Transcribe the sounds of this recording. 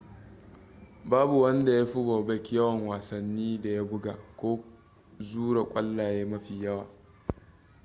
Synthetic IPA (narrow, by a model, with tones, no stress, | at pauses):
baː˦bu˨wɐ˦nda˨ja˦ɸʊ˦boː˨bɐ˦kʲi˦jɐ˦wɐ˨ŋwaː˨sɐ˨nːiː˦da˨ja˦bʊ˦ɡaː˨kʷoː˦ | zuː˦ɽa˨kʷʼɐ˦lːa˨jeː˦mɐ˦ɸiː˨jɐ˦waː˨